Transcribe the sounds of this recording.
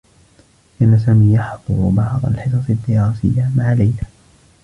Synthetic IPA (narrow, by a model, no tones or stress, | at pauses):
kaːnas̬aːmiːjɑħd̪ˤʊɾʊbɑʕd̪ˤɑ̰lħɪs̬ɑsˤɪd̪ːɪɾaːsɪjːamaʕalajla